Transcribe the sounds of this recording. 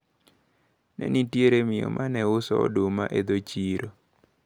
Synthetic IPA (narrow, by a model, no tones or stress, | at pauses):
nɛ̰nitjeɾemɪjɔ̰mʔanɛʊsɔ̰dʊma̰ʔed̪ot͡ʃiɾo